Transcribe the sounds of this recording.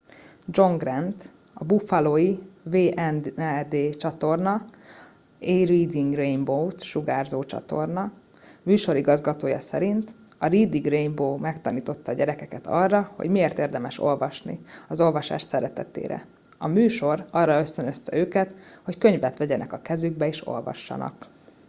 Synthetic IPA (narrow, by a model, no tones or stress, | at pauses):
d͡ʒo̞ŋɡrɛnt̪ | ɒbufɒloːjiveːʔɛnd̪eːt͡ʃɒt̪o̞rnɒ | ejriːd̪iŋɡrejmbowt̪ʃuɡaːrzoːt͡ʃɒ̰t̪o̞rnɒ | myːʃo̞ɾiɡɒzɡɒt̪oːjɒ̰sɛ̰ɾint̪ɒriːd̪iɡremboːmɛkt̪ɒniːt̪o̞t̪ːɒːɟɛɾɛkɛkɛt̪ʰɒrːɒho̰ɟmieːrt̪eːrd̪ɛmɛʃo̞̰lvɒʃnḭɒzo̞lvɒʃa̰ːʃsɛɾɛt̪ɛt̪ḛːɾɛ̰ | ɒmyːʃo̞rɒrːɒø̞st̪ønøst̪ɛøːkɛt̪ho̞ckø̞ɲvɛt̪ʋɛɟɛnʔɛkɒkɛzyɡbɛeːʃo̞̰lvɒ̰ʃːɒ̰nɒ̰k